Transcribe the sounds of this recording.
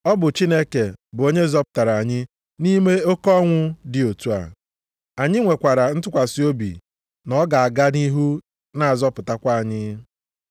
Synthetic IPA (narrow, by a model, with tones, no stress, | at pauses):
ɔ˦bʊ˨t͡ʃi˦ne˦ke˨bʊ˨o˦ɲe˦zɔ˦pʊ̥˨ta˨ɾa˨a˨ɲɪ˦ | ni˦me˦o˦kɔ˦ŋʷʊ˦dɪ˨o˨tu˦a̰˨ | a˨ɲɪ˦ŋʷe˨kʷa˨ɾa˨n̩˦tʊ˦kʷa˨si˦o˦bḭ˨ | nɔ˨˦ɡa˨a˨ɡa˦ni˦ɦu˦ | na˨a˨zɔ˦pʊ˨ta˦kʷa˦a˨ɲɪ˦